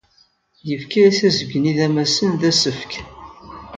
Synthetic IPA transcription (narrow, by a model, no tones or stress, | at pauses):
jəfkææθæzəɡniðæmæsənðæsəfk